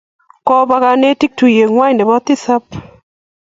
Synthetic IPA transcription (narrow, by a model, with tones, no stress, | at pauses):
kɔ˦ba˦ka˦˧ne˦ti˦k̚tu˨je˨ŋwa˦˨ndɛ˨bɔ˦t̪ɪ˦sa˦p